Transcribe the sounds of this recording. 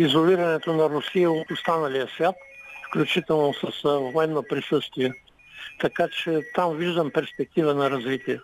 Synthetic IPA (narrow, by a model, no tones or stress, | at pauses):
izolʲiɾɐnɛt̪onɐɾʊsiəost̪anɐlijəsvʲat̪fklʲut͡ʃit̪ɛlˠnosəsvoɛnːopɾisɤst̪viɛ | t̪ɐkat͡ʃɛt̪amviʒd̪əmpɛɾspɛk̚t̪ivənɐɾɐzvit̪iɛ